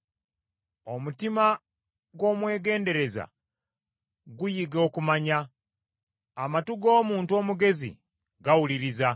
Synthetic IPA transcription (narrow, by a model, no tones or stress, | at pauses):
o̞mutima | ɡwo̞ːmwe̞ːɡe̞ːnde̞ɾe̞za̰ | ɡujiɡo̞ːkumaɲa | amatuɡo̞ːmuːntuo̞ːmuɡe̞zḭ | ɡawuliɾiza